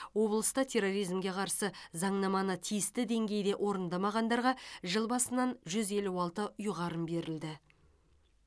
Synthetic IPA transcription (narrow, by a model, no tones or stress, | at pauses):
wo̞blˠəst̪ɑt̪ʰe̞ro̞ɾijzmɡʲe̞qʰɑɾsəzɑɴnɑmɑnət̪ʰijɪst̪ɪd̪e̞ŋɡʲe̞jd̪e̞ʔo̞ɾənd̪ɑmɑʁɑnd̪ɑɾʁɑʒəlˠbɑsənɑnʒʏze̞luɑlˠt̪əʊjʁɑɾəmbe̞ɾɪld̪ɪ